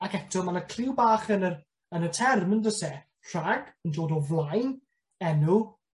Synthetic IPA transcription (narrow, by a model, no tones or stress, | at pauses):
akɛtʰɔmanəkʰrɪwbaːχənər | ənətʰɛrməndəsɛ | r̥aɡəndoːdɔvlˠajn | ɛnu